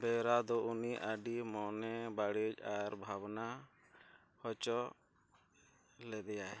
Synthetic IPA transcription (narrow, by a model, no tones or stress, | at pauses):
bɛɾad̪ɔʔuniʔaɖimɔnɛbaɽicaɾbʱabna | hɔt͡ʃɔ | lɛd̪ɛja